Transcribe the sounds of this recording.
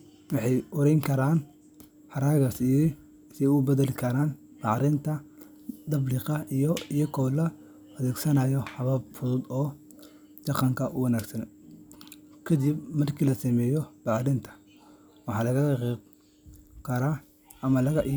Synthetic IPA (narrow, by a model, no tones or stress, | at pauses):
wɑħɑjɔɾɛjŋkʰɐɾaːn | hɑɾaːɣɐsij | sɪʊbɐðɐlɪkʰɐɾaːn | b̥ɑʕɾɪnt̪ʰɐ | d̪ɐbliqɑijɔijɔkʰɔwlɐ | ɐðɛːɡsɐnaːjɔhɐβabfʊðʊd̪ɔː | d̪̥ɑqɑŋkʰɐʔʊwɐnaːɡsɐn | kʰɐd̪ibmɐrkʰiːlɐsɐmɛːjɔb̥ɑʕɾɪnt̪ʰɐ̥ | wɑħɑːlɐɣɐɛq | kʰɐɾaː | ɐmɐlɐɣɐʔ